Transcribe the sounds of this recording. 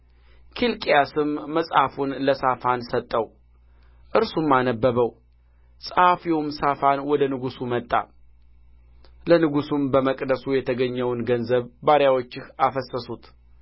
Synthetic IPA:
kʰilkʼjasɨmːəsʼhafunləsafansət̪ʼːəw | ʔɨɾsumːanəbːəβəw | sʼhafiwumsafanwɔd̪ənɨɡusumət̪ʼːa̰ | lənɨɡusumbəməkʼd̪əsujɛt̪ʰəɡəɲːəwnɡənzəβbaɾjawo̞t͡ʃːɪhafəsəsut̪ʰ

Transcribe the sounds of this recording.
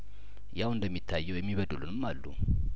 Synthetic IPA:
jawɨnd̪əmːit̪ʰːajːɛwjɛmːiβəd̪ulunɨmːalːṵ

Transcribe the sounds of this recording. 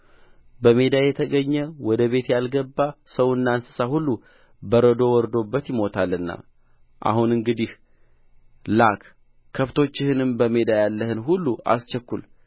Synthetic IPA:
bəme̞d̪ajɛt̪ʰəɡəɲːəwɔd̪əβe̞t̪jalɡəbːasəwɨnːansɨ̥sahulːu | bəɾəd̪o̞wɔɾd̪o̞bːət̪jɪmo̞t̪ʰalːɨnːa̰ | ʔa̰hunɨŋɡɨd̪ih | lak | kʰːəft̪ʰo̞t͡ʃːɪhɨnɨmbəme̞d̪ajalːəhɨnɦulːua̰st͡ʃɛkːul

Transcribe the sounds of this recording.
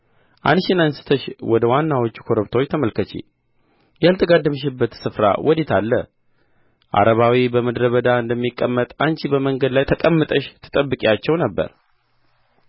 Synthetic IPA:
ʔanʃɪnansɨ̥t̪ʰəʃwɔd̪əwanːawot͡ʃːu̥kʰoɾəβt̪ʰot͡ʃːt̪ʰəməlkʰət͡ʃḭ | jalt̪ʰəɡad̪ːəmɨʃ̬ɪbːət̪sɨfɾa̰wɔd̪et̪ʰalːə̰ | ʔa̰ɾəβawibəməd̪ɾəβəd̪aɨnd̪əmːikʼːəmːət̪ʼant͡ʃibəməŋɡəd̪lajt̪ʰəkʼəmːət̪ʼəʃt̪ʰɨ̥t̪ʼəbːɨkʼat͡ʃːɛwnəbːə̰ɾ

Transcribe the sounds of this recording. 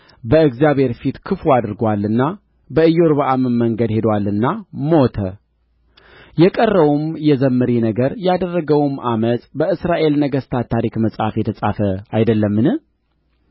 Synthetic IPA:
bəɨɡzijaβhe̞ɾfit̪kʰɨfuad̪ɾɨɡwalːɨnːa | bəɨjːoɾβəʔamɨmːəŋɡəd̪he̞d̪walːɨnːamot̪ʰə | jɛkʼərːəwumjɛzəmːɨɾinəɡəɾjad̪ərːəɡəwmʔamət̪ʼbəɨsɾaʔe̞lnəɡəst̪ʰat̪ʰːaɾikməsʼafjɛt̪ʰəsʼafəajd̪əlːəmːɨnɨ

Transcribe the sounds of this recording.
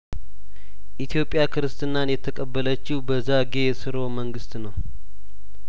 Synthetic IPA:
ʔit̪ʰjo̞pʼːjakʰɨɾɨst̪ʼɨnanjɛt̪ʰːəkʼəbːələt͡ʃːɪhubəzaɡe̞sɨɾo̞məŋɡɨst̪nəw

